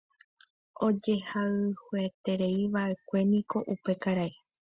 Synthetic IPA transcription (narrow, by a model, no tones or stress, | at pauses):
o̞d͡ʒe̞haɨhuet̪e̞ɾe̞iʋaʔe̞kʷe̞nĩko̞ʔupe̞kaɾae